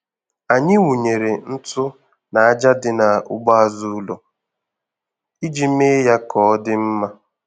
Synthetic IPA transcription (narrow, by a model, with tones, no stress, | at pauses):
a˨ɲɪ˦wu˨ɲe˨ɾe˨n̩˦tʊ˦ | na˨a˦d͡ʒa˦dɪ˦na˨ʊ̰˦ɡ͡bɔ˦a˦zu˦lo˨ | i˦d͡ʒi˦m̩˦e˦ja˦kɔ˨˦dɪ˦m̩˦ma˦